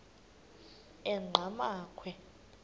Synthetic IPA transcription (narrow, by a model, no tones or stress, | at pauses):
ɛŋ͡ǃʱamaːkʰwɛ